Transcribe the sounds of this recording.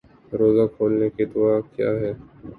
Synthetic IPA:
ɾoːzakʰoːlneked̪ʊakja̰ːɦɛː

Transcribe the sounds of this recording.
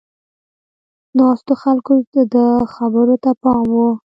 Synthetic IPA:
nɑst̪oxalkod̪əxabəɾot̪apɑmwu

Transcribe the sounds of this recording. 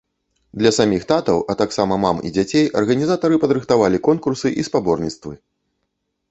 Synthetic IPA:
d̪lʲɐsamʲixt̪at̪ɐwʔɐt̪aksamɐmamḭd͡zʲat͡sʲejɐrɣɐnʲizat̪ɐɾɨpɐd̪ɾɨxt̪avalʲikɔnkursɨʔispabɔrnʲit̪st̪vɨ

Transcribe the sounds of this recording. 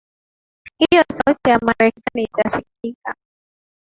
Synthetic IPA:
hijɔsautijamaɾɛkanit͡ʃasikika

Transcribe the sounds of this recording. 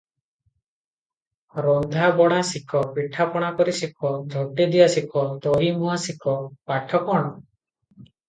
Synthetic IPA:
ɾɔnd̪ʱabɔɽ̃asikʰɔpiʈʰapɔɽ̃akɔɾisikʰɔd͡ʒʱɔʈːed̪ijasikʰɔd̪ɔɦimɔɦasikʰɔpaʈʰɔkɔɽ̃ɔ

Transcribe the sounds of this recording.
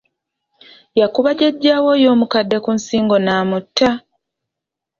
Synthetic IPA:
jakuβaɟeɟːaːwo̞jo̞ːmukadːe̞kunsiːŋɡo̞naːmutʰːa

